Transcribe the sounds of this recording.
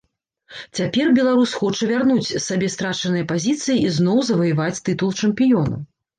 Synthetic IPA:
t͡sʲapʲɛrbʲɛlˠaɾusxɔt͡ʂɐvʲarnut͡sʲsːabʲɛst̪ɾat͡ʂɐnɨjɐpazʲit̪sɨjiiznɔwzɐvɐjɨvat͡sʲt̪ɨt̪ulˠt͡ʂɐmpʲijɔnɐ̰

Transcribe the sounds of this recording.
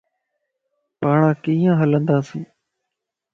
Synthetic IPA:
paːɳãːkĩːãːɦələnd̪aːsĩː

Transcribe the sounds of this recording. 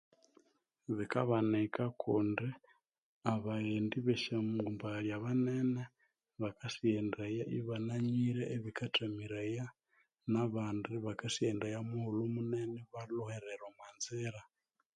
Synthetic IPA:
βikaβanɛkakʰundi | aβaendiβɛʃamɡumbajaβanɛnɛ | βakasiɛndajaʔiβanaɲiɾɛʔeβikatʰamiɾaja | naβandiβakasiɛndajamuhulumunɛnɛβalɔhɛɾɛɾwamanzɛɾa

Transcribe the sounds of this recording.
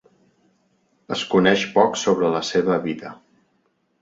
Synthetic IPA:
ə̰skunɛʃpɔksoβɾələseβəβiðə̰

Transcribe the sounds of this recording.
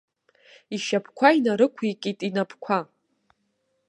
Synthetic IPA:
iʃapʰkʷʰainaɾɨkʷʰekʲʼitʼinapʰkʷʰa

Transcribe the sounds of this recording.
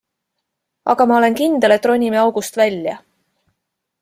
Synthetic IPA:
ʔɑ̰ɡ̥ɑmɑole̞nkind̪e̞le̞t̪ːˑro̞nʲːimeɑwɡ̥ust̪vælʲjɑ̰

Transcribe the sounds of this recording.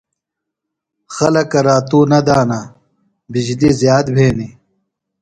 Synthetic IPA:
xɐlɐkɐɾaːt̪uːnɐd̪aːna | bid͡ʑlizjaːt̪bʱeːni

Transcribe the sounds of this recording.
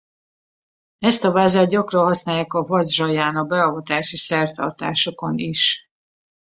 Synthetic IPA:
ɛst̪ɒvaːzaːt̪̚ɟɒkrɒnɦɒsnaːjaːkɒvɒzʒɒjaːnɒbɛɒvɒt̪aːʃisɛrt̪ɒ̰rt̪a̰ːʃo̞ko̞niʃ

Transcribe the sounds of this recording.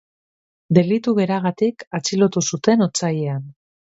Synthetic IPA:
d̪e̞lit̪uɣe̞ɾaɣ̞at̪ikat͡silo̞t̪usut̪e̞not͡sajean

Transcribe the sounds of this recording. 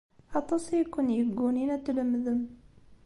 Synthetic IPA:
ʔɑt̪ˤosˤjkːunjəɡuninæt̪ələmːðəm

